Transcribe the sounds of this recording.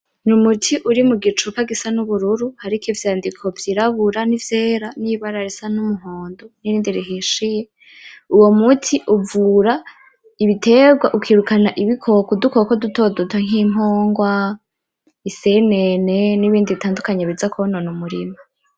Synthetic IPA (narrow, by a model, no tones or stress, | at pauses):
numutʰiʔuɾimuɡit͡ʃukaɡisanuβuɾuɾuhaɾikivjaːndikʰo̞vjiɾaβuɾanivjeːɾaniβaɾaɾisanumuɦoːndoniɾiːndiɾiɦiʃije̞ | uwo̞mutʰiʔuvuːɾa | iβitʰe̞ɡwaʔukwiːɾukanaʔiβikʰo̞kudukokoduto̞dotʰaŋ̥iːmɦoːŋɡwa | iseneneniβiːndiβitʰaːndukaɲeβid͡zakononumuɾima